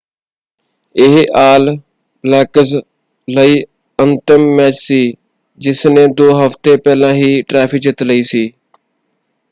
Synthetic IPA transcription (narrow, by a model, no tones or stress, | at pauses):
ɪɦʔaːl | laːkəz | ləiː | ənt̪əmːɛːt͡ʃsiː | d͡ʒɪsnẽːd̪oːɦəft̪epɛːlãːɦiːʈɾaːfʰɪd͡ʒɪt̪ləiːsiː